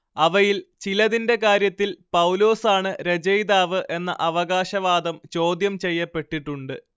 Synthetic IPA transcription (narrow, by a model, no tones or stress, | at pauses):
ɐʋɐjilt͡ɕilɐðinde̞kaːɾjɐt̪ːilpɐwlo̞ːsaːɳɨɾe̞d͡ʑɐjd̪aːʋɨʔe̞nːɐ̰ʔɐʋɐɣaːɕɐʋaːd̪ɐmt͡ɕo̞ːd̪jɐmt͡ɕe̞jːɐpːe̞ʈːiʈːuɳɖɨ